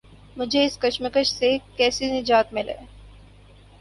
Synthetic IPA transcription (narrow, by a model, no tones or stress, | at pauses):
mʊd͡ʒʱeɪskɐʃməkəʃsekɛːsinɪd͡ʒaːt̪mɪlḛ̃ː